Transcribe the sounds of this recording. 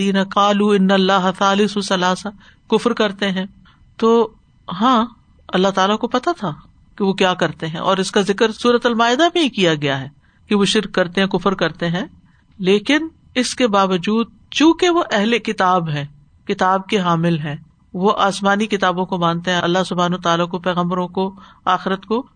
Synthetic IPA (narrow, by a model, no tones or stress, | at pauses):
iːnɐqaːluːɪnːɐlːaːɦɐθaːlɪsosɐlaːsa | kʊfɾkɐɾt̪eɦɛ̃ː | t̪oː | ɦãː | ɐlːaɦt̪aːlakopɐt̪at̪ʰa | keʋokjaːkɐɾt̪eɦɛ̰̃ʔɔːɾɪskazɪkɾsuːɾət̪ɐlmaːɪd̪amẽɦikijaɡɐjaɦɛː | keʋoʃɪɾkːɐɾt̪eɦɛ̃kʊfɾkɐɾt̪eɦɛ̃ː | leːkɪn | ɪskebaːʋəd͡ʒuːd̪̚ | t͡ʃũːkeʋoʔɛɦlekɪt̪aːbɦɛ̃ː | kɪt̪aːb̚keɦaːmɪlɦɛ̃ː | ʋoʔaːsmaːnikɪt̪aːbõkobãːnt̪eɦɛ̃ʔɐlːasʊbʱaːnot̪aːlakopɛːɣə̃mbəɾõkoaːxɪɾət̪ko